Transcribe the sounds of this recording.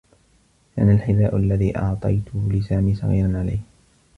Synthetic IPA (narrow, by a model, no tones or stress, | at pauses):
ka̰nalħɪðaːʔʊalːaðiːʔɑʕt̪ˤɑ̰jt̪ʊlɪsaːmiːsˤɑ̰ɣḭːɾɑnʕala̰jh